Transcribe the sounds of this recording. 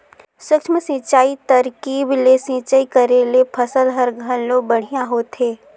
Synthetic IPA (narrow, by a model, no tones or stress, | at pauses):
swɪkʃməsĩːt͡ʃaːit̪ɐɾkiːblesĩːt͡ʃaikəɾelepʰəsəlɦəɾɡʱəlloɡ̚bɐɽ̤ijãɦoːt̪eː